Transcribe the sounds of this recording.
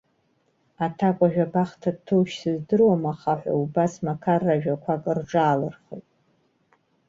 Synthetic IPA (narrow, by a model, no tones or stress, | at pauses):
atʰakʷʼaʒᶣabaχtʰadtʰowʃsɨzdɨrwamaχaħʷa̰ubasmakʰarːaʒᶣakʷʰakʼɨrʈ͡ʂʼaːlɨrχḛjtʼ